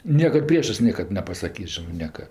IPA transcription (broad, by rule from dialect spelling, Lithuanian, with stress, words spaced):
ˈnʲiɛkɐt ˈpʲrʲiɛʃɜs ˈnʲiɛkɐt nʲɛpɐsɐˈkʲiːs ˈʒʲɪnɜ ˈnʲiɛkɐ